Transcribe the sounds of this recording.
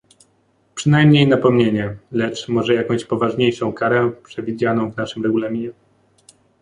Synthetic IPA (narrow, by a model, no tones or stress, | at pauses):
pʂɘnajmɲejnapɔmɲeɲɛlɛt͡ʂmɔʐɛjakɔ̃w̃ɕpɔvaʐɲejʂɔ̃w̃kaɾɛpʂɛvʲid͡ʑanɔ̃w̃vn̪aʂɘmɾɛɡulamʲiɲɛ